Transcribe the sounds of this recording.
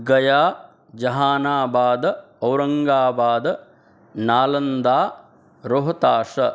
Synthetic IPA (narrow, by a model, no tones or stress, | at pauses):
ɡɐjaː | d͡ʒɐɦaːnaːbaːd̪ɐ | ɐwɾɐŋɡaːbaːd̪ɐ | naːlɐnd̪aː | ɾoɦɐt̪aːʂɐ